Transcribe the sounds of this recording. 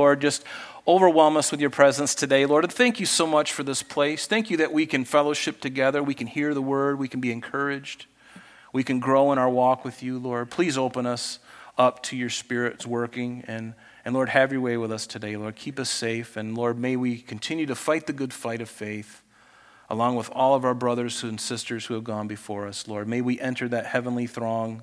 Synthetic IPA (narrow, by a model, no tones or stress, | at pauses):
lɔɹd̚d͡ʒʌst | oʊvə˞wɛlˠmʌswɨðjə˞pʰɹ̥ɛzə̃nstʰɨdeɪlɔɹd̃nθæ̃ŋkjɨsoʊmʌt͡ʃfə˞ðɪspʰl̥eɪsθæ̃ŋkjɨðɨʔwikɨ̃nfɛlˠoʊʃɨp̚tʰɨɡɛðə˞wikɨ̃nhiɹðəwɜ˞d̚wikn̩biɨ̃nkʰɜ˞ɪd͡ʒd̥ | wikɨ̃nɡɹoʊə̃ɾ̃aʊə˞wɔkwɨðjɨlɔɹd̚pʰl̥izoʊpə̃nʌsʌp̚tʰɨjə˞spɪɹɨtswɜ˞kɪ̃ŋɨ̃n | ɨ̃nlɔɹd̚hɨvjə˞weɪwəðʌstʰɨdeɪlɔɹd̚kʰipʌseɪfɨ̃nlɔɹd̚meɪwikʰn̩tʰɪ̃njʉɾɨfaɪt̪̚ðɨɡʊd̥faɪɾʌv̥feɪθ | ʔə̰lɔ̃ŋwəðɔlˠʌvaʊə˞bɹʌðə˞z̥hʉ̃n̩sɪstə˞z̥huɨvɡɔ̃nbɨfɔɹʌslɔɹd̚meɪwiʔɛ̃ntʰə˞ðɨt̚hɛvə̃n̩liθɹɔ̃ŋ